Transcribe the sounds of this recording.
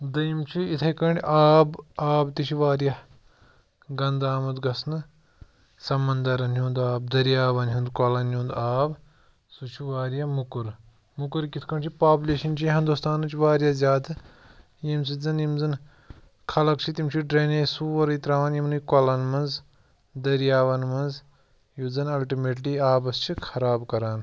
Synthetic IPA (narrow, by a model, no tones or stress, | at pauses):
d̪ɐjimt͡ʃʰiit̪ʰɐkɐɳɖʲaːbaːbt̪it͡ʃʰiʋaːɾjɐ | ɡɐnd̪aːmɐd̪ɡɐsnɨ | sɐmɐnd̪ɐɾɐnjũːnd̪aːb̚d̪ɐɾijaːʋɐnɦũnd̪kwɐlɐnjũːnd̪aːb | sut͡ʃʰuʋaːɾjamukuɾ | mukuɾkit̪ʰkʰɐɳt͡ʃʰipaːbuleːʃɐnt͡ʃʰiɦɐnd̪ust̪aːnɐt͡ʃʰiʋaːɾjaːzʲjaːd̪ɨ | jims̬izɐnjimzɨn | kʰɐlɐkt͡ʃʰit̪imt͡ʃʰiɖɾeːneːsuːʋɐɾit̪ɾaːʋaːnjimnujkɐlɐnmɐnz | d̪ɐɾjaːʋɐnmɐnz | juzɐnɐlʈimeːʈliːaːbɐst͡ʃʰikʰɐɾaːbkɐɾaːn